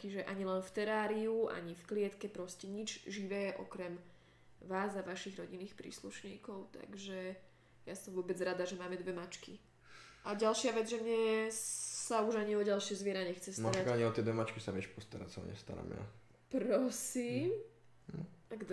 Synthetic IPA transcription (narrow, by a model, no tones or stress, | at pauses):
t͡ʃiʒɛʔaɲilɛnft̪ɛɾaːɾiuʔa̰ɲifklɪɛt̪kɛpɾɔscɛɲid͡ʒʒiʋɛːʔɔ̰kɾɛm | ʋaːzaʋaʃiɣɾɔɟinːiːxpɾḭːsluʃɲiːkɔʊt̪a̰ɡʒɛ | jasɔmvʊɔbɛd͡zɾad̪aʒɛmaːmɛd̪ʋɛmat͡ʃki | ʔaɟalʃɪaʋɛd͡zʒɛmɲɛ | sauʒaɲiɔɟalʃɪɛzʋɪɛɾaɲɛxt͡sɛstmaaɾakaɲiɔt̪ɪɛd̪ʋɛmat͡ʃkisaʋɛʃpɔst̪aɾa̰sa̰ɲɛ̰st̪a̰ɾa̰mja̰ | pɾɔsiːm | aɡd̪